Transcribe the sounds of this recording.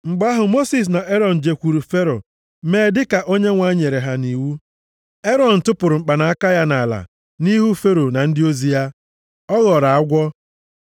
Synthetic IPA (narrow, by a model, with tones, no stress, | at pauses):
ŋ͡m̩˨ɡ͡ba˦ɦʊ˨mo˦si˨s̬na˨ʔe˦ɾɔ˨n̩˨d͡ʒe˨kʷu˨ɾu˨fe˦ɾo̰˨ | meː˨dɪ˦ka˨ʔo˦ɲe˦ŋʷa˦ɲe˨ɾe˨ɦa˨ni˨wu˦ | e˦ɾɔ˨n̩˨tʊ˦pʊ˨ɾʊ˨ŋ͡m̩˨k͡pa˨na˨a˦ka˦ja˦na˨la̰˨ | ni˦ɦu˦fe˦ɾo˨na˨n̩˦dɪ˦o˦zi˦ja˦ | ɔ˦ɣɔ˨ɾa˨a˦ɡʷɔ˦